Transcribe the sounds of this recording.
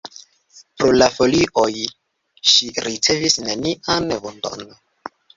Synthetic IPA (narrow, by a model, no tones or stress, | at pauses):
pɾolafo̞liʔo̞j | ʃiɾit͡se̞visneniʔanvond̪o̰n